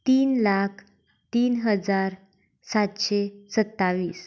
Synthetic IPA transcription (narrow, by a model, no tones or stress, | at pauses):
t̪iːnlakʰ | t̪iːnɦəd͡zaɾ | sat̪ɕesət̪ːaʋiːs